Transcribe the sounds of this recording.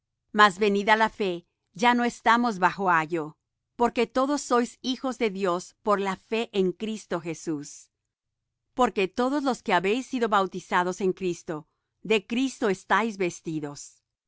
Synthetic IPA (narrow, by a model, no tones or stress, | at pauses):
mazβe̞niðalafe̞ | ʝano̞est̪amo̞zβaxo̞aʝo̞ | po̞ɾke̞t̪o̞ðo̞sːo̞jsixo̞zðe̞ðjo̞spo̞ɾlafe̞ʔeŋkɾist̪o̞xe̞sus | po̞ɾke̞t̪o̞ðozlo̞ske̞aβe̞jsːiðo̞βawt̪isaðo̞se̞ŋkɾist̪o̞ | ðe̞kɾist̪o̞est̪ajzβe̞st̪iðo̞s